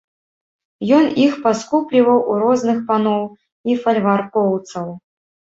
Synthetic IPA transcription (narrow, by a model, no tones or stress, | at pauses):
jɔnixpaskuplʲivɐwʔuɾɔznɨxpanɔw | ifɐlʲvarkɔwt̪sɐw